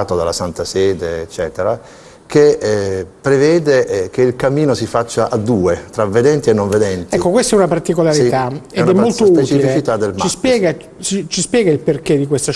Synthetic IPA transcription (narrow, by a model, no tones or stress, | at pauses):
t̪od̪alasant̪asɛːd̪eːt͡ʃːɛːt̪eɾa | ke | pɾevɛːd̪ek̟eilkamiːnosifat͡ʃːaʔad̪ːuːet̪ɾavːed̪ɛnt̪ienːoɱved̪ɛnt̪ɛikːokwest̪ɛunapart̪ikolaɾit̪aenɛmnːolosupett͡ʃiiflt͡ʃit̪ad̪ːelmt͡ʃaispjɛːɡa | t͡ʃit͡ʃispjɛːɡailperked̪ːikwest̪a